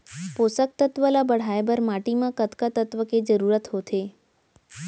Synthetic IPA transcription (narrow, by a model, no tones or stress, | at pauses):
posək̚t̪ət̪ʋəlabəɽ̤ajbəɾmaʈimãkət̪kat̪ət̪ʋəked͡ʒəɾuɾət̪ɦot̪ʰe